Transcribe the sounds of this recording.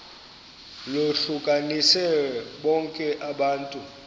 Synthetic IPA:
loɬukʼanisɛɓɔŋkʼɛʔaɓaːntʼu

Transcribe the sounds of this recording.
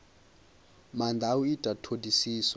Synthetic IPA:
mandʱauitʼatʰodisiːsa

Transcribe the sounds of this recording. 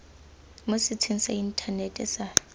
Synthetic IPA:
mʊsɪt͡sʰwinisain̩tʰanetʼɛsa

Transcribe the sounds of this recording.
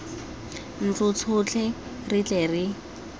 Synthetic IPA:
n̩t͡sʊt͡sʰʊt͡ɬʰɛ | rit͡ɬʼɛri

